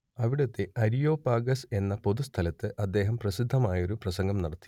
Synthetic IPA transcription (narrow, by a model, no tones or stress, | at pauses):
ɐʋiɽɐt̪ːe̞ʔɐɾijo̞ːpaːɡɐse̞nːɐpo̞ðust̪ʰɐlɐt̪ːɨʔɐd̪ːe̞ːɦɐmprɐsid̪ʱːɐmaːjɐo̞ɾuprɐsɐŋɡɐmnɐɽɐt̪ːi̥